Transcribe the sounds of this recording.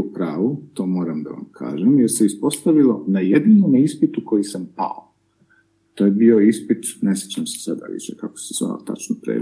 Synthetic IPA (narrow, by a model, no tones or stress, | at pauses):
upɾaːʋut̪o̞ːmo̞ːɾamd̪a̰ʋa̰mkʰa̰ːʒemjeɾse̞ispo̞st̪aʋilˠo̞najed̪inomispit̪uko̞jisampa̰o | t̪o̞ːjebio̞ispit̪ne̞set͡ɕamse̥sad̪a̰lḭt͡ɕekako̥sesʋa̰o̰t̪a̰t͡ʃnopɾḛː